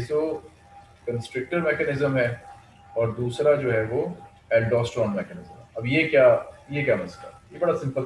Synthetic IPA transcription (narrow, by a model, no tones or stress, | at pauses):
ɪso | kɐ̃nsʈɾɪk̚ʈəɾmɛːkɛnɪzəmɦɛ | ɔːɾd̪uːsɾad͡ʒoːɦɛʋo | ɛːlɖɔːsʈɔ̃ːnmɛːkɛnɪzəmɦɛɐbjekjaːjekjaːmɐzla̰jebɐɽasɪ̃mpəl